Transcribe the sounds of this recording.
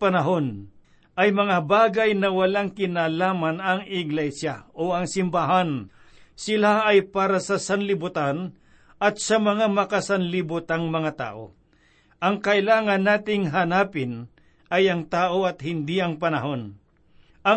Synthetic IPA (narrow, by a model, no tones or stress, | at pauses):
pɐnɐɦo̞n | ʔɐjmɐŋabaːɡajnɐwɐlaŋkɪnaːlaːmɐnɐŋɪɡlɛsjaoɐŋsɪmbaɦan | sɪlaɐjpaːɾɐsɐsɐnlɪbʊt̪an | ɐt̪̚sɐmɐŋamɐkɐsɐnlɪbʊt̪aŋmɐŋat̪a̰ːʔo̰ | ʔɐŋkɐʔɪlaːŋɐnːaːt̪ɪŋɦanaːpɪn | ɐjɐŋt̪aːʔo̞ɐt̪̚hɪnd̪iɐŋpɐnɐɦo̞n | ʔɐ